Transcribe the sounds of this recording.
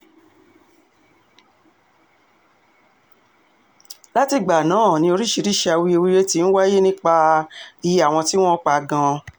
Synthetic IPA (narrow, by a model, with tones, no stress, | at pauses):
la˦ti˧ɡ͡ba˨nãː˨˦˨nĩ˧˦o˧ɾi˦ʃi˨˧ɾi˦˨ʃa˧wi˦o˧wi˦ɾe˦ti˦ñ̩˦wa˦je˦nĩ˦k͡pa˧i˨˦a˦˨w̃ɔ̃˧ti˦w̃ɔ̃˦k͡pa˧˨ɡã˧